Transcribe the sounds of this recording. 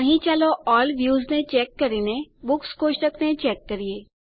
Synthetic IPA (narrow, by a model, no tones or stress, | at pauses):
əɦĩt͡ʃaloɔːlʋjuːznet͡ʃɛkːəɾinebʊkskoːʃʈəknet͡ʃɛːkːəɾie